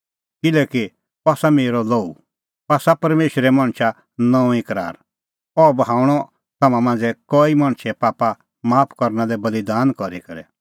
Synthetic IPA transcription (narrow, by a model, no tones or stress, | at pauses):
kɪlɛːki | aːsameːɾɔlɔːu | aːsapɐɾmeːʃɾɛmɐ̃ɽ̃ʃʰa | nɔ̃ũĩkɐɾa̰ːɾ | ɔbɐɦaːuɽ̃ɔ | t̪ɐmãmãːn̆d͡zɛkɔimɐ̃ɽ̃t͡ʃʰɛpaːpa | maːpʰkɔɾnalɛbɐlid̪aːnkɔɾikɐɾɛ̰